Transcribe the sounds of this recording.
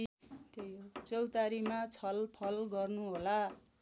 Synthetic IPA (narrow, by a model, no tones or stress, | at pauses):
t̪ejt͡sʌwt̪aɾimat͡sʰʌlpʰʌlɡʌrnuɦola